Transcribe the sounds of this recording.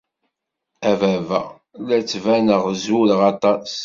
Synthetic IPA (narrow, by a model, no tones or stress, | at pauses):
ævævæ̰ | læt͡sːvænəʁzulʁɑt̪ˤɑs